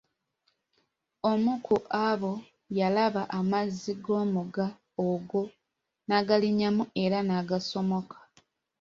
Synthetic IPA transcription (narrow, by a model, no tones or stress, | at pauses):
o̞mukʰuʔaβo̞ | jalaβaʔamazːiɡo̞ːmuɡa | oɡo̞ | naːɡaliɲamue̞ɾanaːɡaso̞mo̞kʰḁ